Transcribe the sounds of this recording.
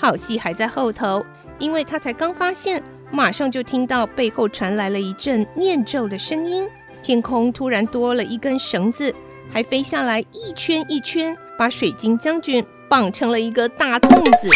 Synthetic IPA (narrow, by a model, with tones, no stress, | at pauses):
xɑ˥˩ʊɕi˥˩xa˧˥ɪt͡sa˥˧ɪxo˥˩ʊt̪ʰo˧˥ʊ | i˥nwe˥˩ɪt̪ʰa˥t͡sʰa˧˥ɪkɑ˥ŋfa˥ɕjɛ˥˩n | ma˨˩ʂɑ˥˧ŋt͡ɕjo˥˩ʊt̪ʰi˥ŋt̪ɑ˥˧ʊpe˥˧ɪxo˥˩ʊʈ͡ʂʰwa˧˥nla˧˥ɪlə˧i˧˥ʈ͡ʂə˥˩nnjɛ˥˧nʈ͡ʂo˥˩ʊd̪ə˩ʂɤ˥ŋi˥n | t̪ʰjɛ˥nkʰʊ˥ŋt̪ʰu˥ɻa˧˥nt̪wɔ˥lə˨ʔi˥˩kə˥˩nʂɤ˧˥ŋd͡zɹ̩˨ | xa˧˥ɪfe˥ɪɕja˥˩la˧˥ɪi˥˩t͡ɕʰɥɛ˥ni˥˩t͡ɕʰɥɛ˥npa˧˥ʂwe˨˩ɪt͡ɕi˥ŋt͡ɕjɑ˥ŋt͡ɕy˧˥n | pɑ˨˥˩ŋʈ͡ʂʰɤ˧˥ŋlə˧i˧˥ɡə˧t̪a˥˩˧t͡sʊ˥˧ŋd͡zɹ̩˨˩